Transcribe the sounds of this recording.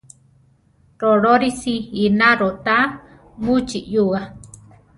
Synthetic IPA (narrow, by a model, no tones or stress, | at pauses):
ɾoɾoɾisiinaɾot̪a | mut͡ʃiʔjuɣa